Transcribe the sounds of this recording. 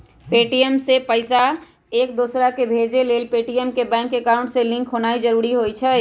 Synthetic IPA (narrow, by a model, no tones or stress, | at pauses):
peːʈijəmsepəɪsa | eːk̚d̪osɾakebʱeːd͡ʒeleːlpeːʈijəmkːebɛ̃ːŋkːekaʊ̃ɳɖselɪ̃ŋkʰɦonaːid͡ʒəɾuːɾiɦojt͡ʃʰɛ